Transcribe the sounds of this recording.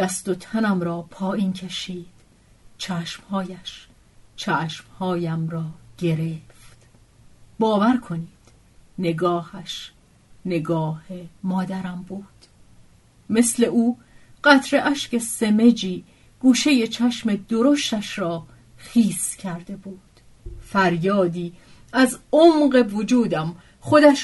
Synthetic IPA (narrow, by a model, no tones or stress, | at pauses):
d̪̥æst̪o̞t̪ʰænæmɾɒːpʰɒːʔiːncʰeʃiːd̪̥ | t͡ʃʰæːʃmhɒːjæʃ | t͡ʃʰæːʃmhɒːjæmrɒːɟ̥e̞ɾeːft̪ | bɒːvæɾkʰo̞niːd̪̥ | ne̞ɡɒːhæʃ | ne̞ɡɒːhemɒːd̪æɾæmbuːd̪̥ | me̞sle̞ʔuː | ɢ̥æt̪ʰɾeʔæʃce̞se̞me̞d͡ʒiː | ɡ̥uːʃe̞je̞t͡ʃʰæʃme̞d̪oɾoʃt̪æʃɾɒː | xiːscʰæɾd̪e̞buːd̪̥ | fæɾjɒːd̪iː | æzomɢe̞vod͡ʒuːd̪æm | χo̞d̪æʃ